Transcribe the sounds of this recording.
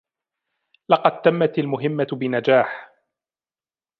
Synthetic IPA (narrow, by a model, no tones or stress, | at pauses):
lɑqɑd̪̚t̪amːat̪almʊɦɪmːabɪnad͡ʒaːħ